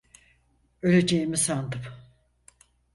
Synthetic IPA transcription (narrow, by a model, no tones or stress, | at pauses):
ølʲe̞d͡ʒejimisand̪ɯm